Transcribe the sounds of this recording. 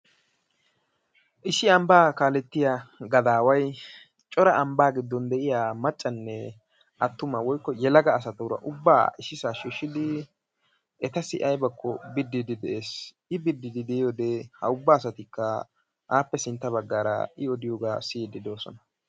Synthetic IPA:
ʔɪsɪɐmbaːkaːlɛt̪ːɪjaɡɐd̪aːwɐj | t͡ʃʼɔɾɐʔɐmbaːɡɪd̪ːɔnd̪ɛʔɪjaːmɐt͡ʃʼːɐnːɛ | ʔɐt̪ːʊmɐwɔjkːɔjɛlɐɡɐːs̬ɐt̪ʊɾɐ̰ʔʊbːa̰ːʔɪsɪsaːʃiːʃːɪd̪ɪ | ʔɛt̪ɐsɪʔɐjbɐkʰːɔbɪd̪ːɪd̪ɪd̪ɛʔeːs | ɪbɪd̪ːɪd̪ɪd̪ɛjoːd̪ɛhɐ̰ʊbːaːsɐt̪ɪkːɐ | ʔaːpːɛsɪnt̪ːɐβɐɡːaːɾɐ̰ɪɔd̪ɪjoːɡaːsɪd̪ɪd̪o̞ːsɔ̰nɐ

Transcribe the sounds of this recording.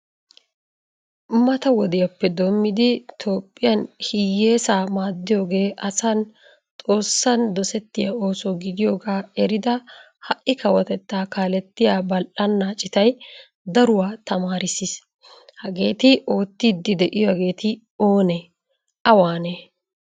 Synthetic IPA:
mɐt̪ɐwɔd̪ɪjɐpːɛd̪omːɪd̪ɪt̪ʰo̞ːpʼːɪjɐnhɪjːe̞ːsaːmaːd̪ːɪjo̞ːɡe̞ːʔɐsɐn | t̪ʼo̞ːsːɐnd̪ɔsɛt̪ːɪjɐo̞ːsɔɡɪd̪ɪjo̞ːɡaːɛɾɪd̪ɐ | hɐʔɪkɐwɔt̪ɛt̪ːaːkaːlɛt̪ːɪjaːbɐlʔɐnːaːt͡ʃʼɪt̪ɐj | d̪ɐɾʊwaːt̪ɐmaːɾɪsis | hɐɡe̞ːt̪ɪʔo̞ːt̪ːiːd̪ːɪd̪ɛʔɪjɔɐɡe̞ːt̪ɪ | o̞ːne | ɐwaːne

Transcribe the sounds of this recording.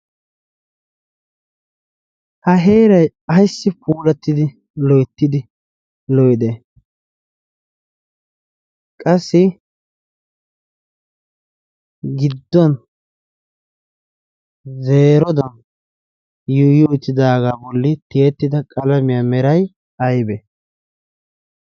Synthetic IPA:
hɐɦeːɾɐj | ɐjsːɪpuːlɐt̪ːɪd̪ɪ | lɔjt̪ːɪd̪ɪ | lɔjd̪e | kʼɐsːɪ | ɡɪd̪ːɔn | zeːɾɔd̪ɐn | jʊjʊt̪ːɪd̪aːɡaːbɔlːɪt̪ɪjɛt̪ːɪd̪ɐkʼɐlɐmɪjamɛɾɐj | ɐjbɛ

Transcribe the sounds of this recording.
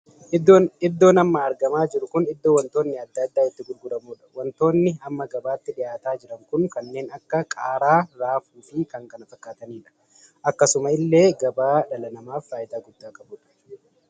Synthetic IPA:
ɪd̪ːo̞ːnɐmːɐːɾɡɐmaːd͡ʒɪɾʊkʊnɪd̪ːo̞ːwɐnt̪o̞ːnːɪɐd̪ːɐd̪ːaːɪt̪ːɪɡʊlɡʊɾɐmuːᶑɐ̥wɔnt̪o̞ːnːɪɐmːɐɡɐbaːt̪ːɪᶑɪjaːt̪aːd͡ʒɪɾɐŋkʊŋkɐnːe̞ːnɐkːɐkʼaːɾaːɾaːfuːfɪkɐŋkɐnɐfɐkːaːt̪ɐniːᶑɐ̥ | ʔɐkːɐsʊmɐɪlːe̞ːɡɐbaːᶑɐlɐnɐmaːfɾaːjɪd̪aːɡʊd̪ːaːkʼɐbuːᶑɐ̥

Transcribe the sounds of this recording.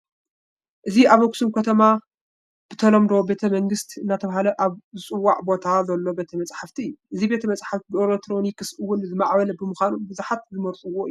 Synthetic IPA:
ʔɨziaβoksumkʰɐt̪ʰɐma | b̥ɨt̪ʰɐlɐmd̪owbe̞t̪ʰɐmɐŋɡɨst̪ʰiɨnːat̪ʰɐβaɦalɐʔaβzɨt͡sʼɨwːaʕbo̞t̪ʰazɐlːo̞be̞t̪ʰɐmɐt͡sʼħaft̪ʰiɨjːuʔɨzibe̞t̪ʰɐmɐt͡sʼħaft̪ʰibɨelek̚t̪ʰɾo̞nikɨsɨwːʊnzɨmaʕβɐlɐbɨmɨxʷanubɨzuħat̪̚zɨmɐɾt͡s̪ʼuwoɨju

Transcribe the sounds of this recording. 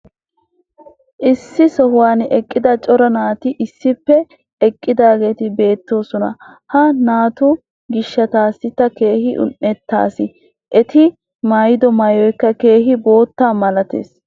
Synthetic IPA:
ʔɪsːɪsɔhʊwaːnɛkʼːɪd̪ɐt͡ʃʼɔɾɐnaːt̪ɪʔɪsːɪpːɛ | ɛkʼːɪd̪aːɡe̞ːt̪ɪbe̞ːt̪ːo̞ːsɔnɐ̰hɐnaːt̪ʊ | ɡɪʃːɐt̪aːsːɪt̪ːɐke̞ːhɪʔʊ̰nːɛt̪ːa̰ːsɪ | ʔɛt̪ɪ | majɪd̪ɔmajɔjkːɐke̞ːhɪbo̞ːt̪ːaːmɐlɐt̪ḛːs

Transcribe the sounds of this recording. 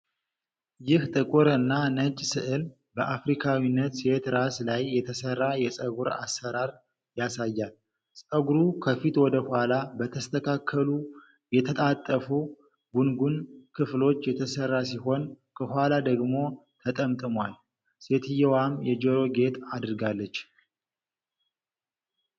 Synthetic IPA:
jɪht̪ʼɨkʼuɾɨnːanət͡ʃʼsɨʔɨl | bəʔafɾikʰawinːət̪se̞t̪ɾaslajːɛt̪ʰəsərːajɛsʼəɡuɾa̰sːəɾaɾ | jasajːal | sʼəɡuɾukʰəfit̪wɔd̪əhʷalabət̪ʰəst̪ʰəkʰakʰːəlu | jɛt̪ʰət̪ʼat̪ʼːəfu | ɡunɡunkʰɨflo̞t͡ʃːjɛt̪ʰəsərːas̬iho̞n | kʰəhʷalad̪əɡmo̞t̪ʰət̪ʼəmt̪ʼɨmwal | se̞t̪ɨjɛwamjɛd͡ʒoɾo̞ɡe̞t̪ad̪ɾɡalːət͡ʃː

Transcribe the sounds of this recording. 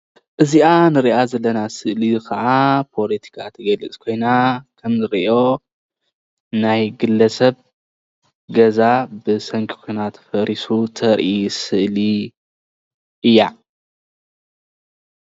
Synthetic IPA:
ʔɨziʔanɨɾiʔazɐlːɐnasɨʔlikʰɐʔapʰo̞lɐt̪ʰi̥kʰat̪ʰɐɡɐlɨt͡sʼkʰo̞jnakʰɐmzɨɾiʔo̞ | najɡɨlːɐsɐβ | ɡɐzabɨsɐŋkʰi̥kʰojnat̪ʰfɐɾisut̪ʰɐɾʔisɨʔli | ʔɨjːa

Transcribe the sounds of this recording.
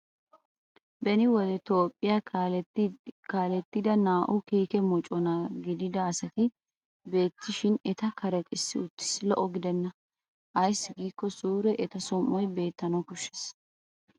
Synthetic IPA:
bɛnɪwɔd̪ɛt̪oːpʼːɪja | kaːlɛt̪ːɪd̪ɐnaːʔʊkiːkɛmɔt͡ʃʼɔnɐɡɪd̪ɪd̪ɐːsɐt̪ɪ | be̞ːt̪ːɪʃɪnɛt̪ɐkɐɾɐkʼɪsːɪʊt̪ːɪ̥slɔʔɔɡɪd̪ɛnːɐ | ʔɐjsːɪɡiːkːɔsuːɾɛʔɛt̪ɐsɔmːɔjbe̞ːt̪ːɐnɐkʊʃːɛ̥s

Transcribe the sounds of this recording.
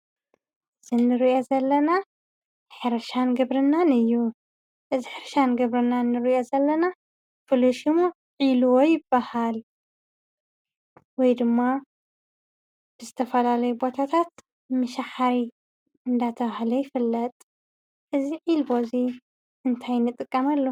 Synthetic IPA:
z̥ɨnɨɾiʔo̞zɐlːɐna | ħɨɾɐʃanɡɐβɾɨnːanɨjːu | ʔɨziħɨɾʃanɡɐβɾɨnːanːɨɾiʔo̞zɐlːɐna | fɨluʃimo | ʕiluwo̞jɪbːahal | wɔjd̪ɨmːa | b̥ɨzɨt̪ʰɐfɐlalɐjubo̞t̪ʰat̪ʰat̪ | mɨʃaħaɾi | ɨnd̪at̪ʰɐβahlɐjɪfɨlːɐt̪ʼ | ʔɨziʕilbo̞zi | ɨnt̪ʰajnːɨt̪ʼɨkʼːɐmalːo

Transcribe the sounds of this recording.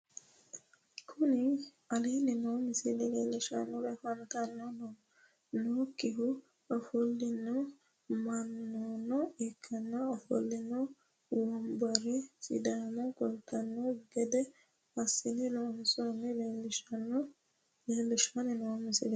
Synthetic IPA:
kʰʊnɪ | ɐlinɪnoːmɪsɪlɛleːlːɪʃɐ̰nːɔɾɛfɐnt̪ɐnːɔnɔ | noːkːɪhʊ | ɐfɔlːɪnːɔ | mɐnːonɔɪkʰːɐnːɐɐfɔ̰lːɪnːɔ | wɔmbɐɾɛsɪd̪aːmɔkɔlt̪ɐnːɔɡɛd̪ɛ | ɐsɪnɪloːmsonːɛleːlːɪʃɐnɔ | leːlːɪʃɐnɪnoːmɪsɪlɛ

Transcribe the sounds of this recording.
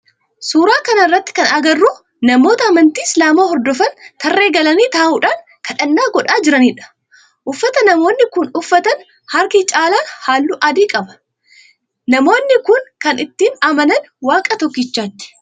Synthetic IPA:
suːɾaːkɐnɐɪrːɐt̪ːɪ̥kɐnɐɡɐrːuː | nɐmo̞ːt̪ɐːmɐnt̪iːɪslaːmoːhɔɾd̪ɔfɐnt̪ɐrːe̞ːɡɐlɐniːt̪aːʔuːᶑaːn | kɐᶑɐnːaːɡɔᶑaːd͡ʒɪɾɐniːᶑɐ̥ | ʔʊfːɐt̪ɐnɐmo̞ːnːɪkʊnʊfːɐt̪ɐn | hɐɾkit͡ʃʼaːlaːhaːlːuʔɐd̪iːkʼɐbɐ̥ | nɐmo̞ːnːɪkʊnkɐnɪt̪ːiːnɐmɐnɐn | waːkʼɐt̪ɔkːɪt͡ʃːaːt̪ːɪ̥

